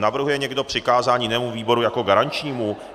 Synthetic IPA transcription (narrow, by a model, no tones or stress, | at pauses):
navr̩ɦujɛɲɛɡdo̞pr̝̥ɪkaːzaːɲɪnɛːmuviːbo̞ɾujako̞ɡaɾaɲt͡ʃɲiːmu